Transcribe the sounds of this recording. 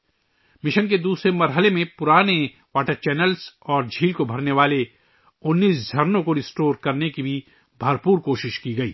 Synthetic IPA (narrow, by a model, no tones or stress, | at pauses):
mɪʃənk̬ed̪uːsɾemɐɾɦəlemẽpʊɾaːne | ʋwaːʈəɾt͡ʃɛːnəlsɔːɾd͡ʒʱiːlkobʱɐɾneʋaːle | ʊnːiːsd͡ʒʱɐɾnõkoɾɪsʈoːɾkɐɾnekibʱi | bʱɐɾpuːɾkoːʃɪʃkiɡɐiː